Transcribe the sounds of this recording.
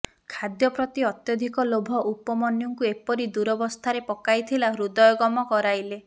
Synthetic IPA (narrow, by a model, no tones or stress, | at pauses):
kʰad̪jɔpɾɔt̪iɔt̪jɔd̪ʱikɔlobʱɔʔupɔmɔnjɔŋkuepɔɾid̪uɾɔbɔst̪ʰaɾepɔkajt̪ʰilaɦɾud̪ɔjɔɡɔmɔkɔɾajle